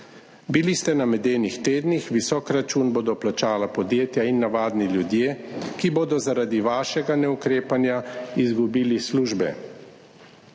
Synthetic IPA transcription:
bilist̪ɛnamɛd̪eːnixt̪eːd̪nixʋisɔːkɾat͡ʃuːnboːd̪ɔplat͡ʃaːlapɔd̪jeːt̪jainːaʋaːd̪niljud̪jeːkiboːd̪ɔzaɾaːd̪iʋaːʃɛɡanɛukɾeːpanjaizɡubiːlisluːʒbɛ̰

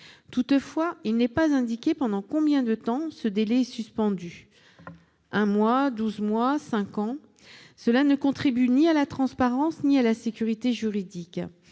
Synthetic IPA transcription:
t̪ut̪fwailnɛpazɛ̃d̪ikʲepɑ̃d̪ɑ̃kɔ̃bjɛ̃d̪ət̪ɑ̃səd̪elɛɛsyspɑ̃d̪y | ɛ̃mwad̪uzmwasɛ̃kɑ̃ | səlanəkɔ̃t̪χibynialat̪χɑ̃spaʁɑ̃snialasekʲyʁit̪eʒyʁid̪ik

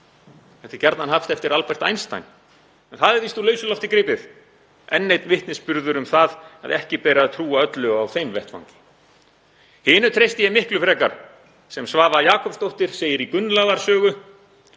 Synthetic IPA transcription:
θɛht̪acɛɾt̪nanhaft̪ɛft̪ɪɾalpɛr̥t̪a̰jnst̪a̰jn | ɛnθaðɛɾθist̪ulœːɥsʏlɔft̪ɪkɾɪːpɪð | ɛnːejt̪nvɪht̪nɪspʏɾðʏɾʏmθaða̰ðɛhcɪpɛːɾaðt̪ʰɾuːaœt̪lʏɣawθejmvɛht̪fa̰wŋcɪ̥ | hɪːnʏt̪ʰɾejst̪ɪjɛmɪhklʏfɾɛːkaɾ̥ | sɛmsvaːvajaːkʰɔpst̪owht̪ɪɾ̥seːjɪɾikʏnːlaðaɾ̥sœːɣʏ

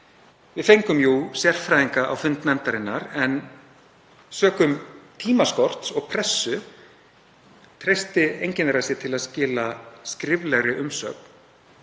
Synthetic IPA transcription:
vɪðfejŋkʏmjusjɛr̥fɾajðiŋkaʔa̰wfʏnt̪nɛnt̪aɾɪnːaɾɛn | sœːkʏmt̪ʰiːmaskɔr̥t̪sɔɣpʰɾɛsːʏ | t̪ʰɾejst̪ɪejɲcɪnɛɾasjɛt̪ʰɪlaðscɪːlaskɾɪvlɛɣɾɪʔʏmsœːkn̥

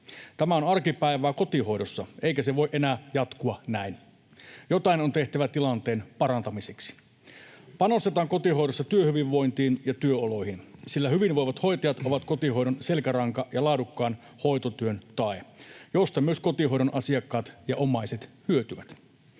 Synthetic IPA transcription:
t̪æmæonɑrkipæiʋæːko̞t̪iho̞jdosːɑeikæseʋoiʔenæːjɑt̪kuɑnæin | jo̞t̪ɑinont̪e̞ht̪æʋæt̪ilɑnt̪e̞ːnpɑɾɑnt̪ɑmiseksi̥ | pɑno̞st̪et̪ɑːŋko̞t̪iho̞jɾosːɑt̪yøhyʋiʋːo̞int̪iːnjɑt̪yøolo̞jhinsilːæhyʋinʋojʋɑt̪ho̞jt̪ɑjɑt̪oʋɑt̪kot̪iho̞iɾonse̞lkæɾɑŋkɑjɑlɑːdukːɑːn | ho̞jt̪ot̪yønt̪ɑejo̞st̪ɑmyøsko̞t̪iɦo̞jɾonʔɑsiɑkːɑːt̪jɑʔomɑiset̪hyøt̪yʋæt̪

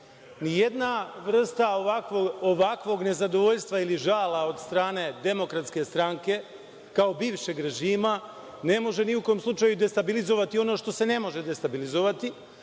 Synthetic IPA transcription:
nijed̪naʋr̩st̪aoʋakʋooʋakʋo̞ɡne̞zad̪o̞ʋo̞ʎst̪ʋailiʒaːlao̞d̪st̪ɾaːne̞d̪e̞mo̞kɾat̪ske̞st̪ɾaŋke̞ | kao̞biːʋʃe̞ɡɾe̞ʒiːma | ne̞mo̞ʒe̞niuko̞mslˠut͡ʃajud̪e̞st̪abilizo̞ʋat̪io̞no̞ːʃt̪o̞se̞ne̞mo̞ʒe̞d̪e̞st̪abilizoʋat̪i

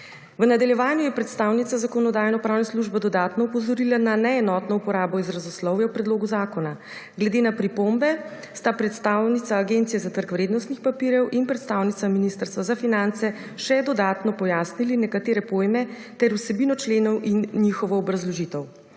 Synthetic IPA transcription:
ʋənad̪aljɛʋaːnjujɛpɾɛt̪st̪aːwnit̪sazakɔnɔd̪aːjnɔpɾaːwnɛsluʒbɛd̪ɔd̪aːt̪nɔupɔzɔɾilananɛɛnɔt̪nɔupɔɾaːbɔizɾazuslɔwjɛwpɾɛd̪loːɡuzaːkɔna | ɡlɛd̪enapɾipombɛ | st̪apɾɛt̪st̪aːwnit̪saːɡent̪sijɛzat̪əɾkʋɾeːd̪nɔst̪nixpapiɾjɛwʔinpɾɛt̪st̪awnit̪saminist̪əɾst̪ʋazafinant̪sɛ | ʃɛd̪ɔd̪aːt̪nɔpɔjaːsnilinɛkat̪eːɾɛpoːjmɛ | t̪ɛɾusɛbinɔt͡ʃleːnɔwʔinːixɔʋɔːbɾazlɔʒit̪əw

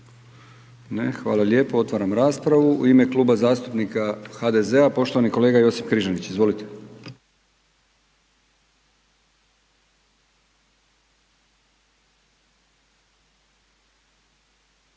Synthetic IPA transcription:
nexʋa̰ːlˠalʲjeːpoo̞t̪ʋaɾamɾaːspɾaʋuṵime̞kluːbazaːst̪upnikaxad̪e̞ze̞apo̞ʃt̪oʋaniko̞leːɡajo̞sipkɾiʒanit͡ɕizʋo̞lit̪e̞̥

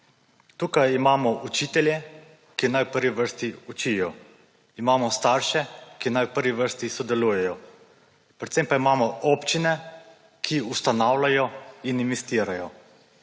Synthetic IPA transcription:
t̪uːkajimaːmɔʔut͡ʃit̪ɛljɛ | kinajwpəɾʋiʋəɾst̪iut͡ʃijɔ | imaːmɔst̪aːɾʃɛkinajwpəɾʋiʋəɾst̪isɔd̪ɛluːjɛjɔ | pɾɛt̪sempaimaːmɔɔpt͡ʃinɛ | kʰiust̪anaːwlajɔinimist̪iːɾajɔ

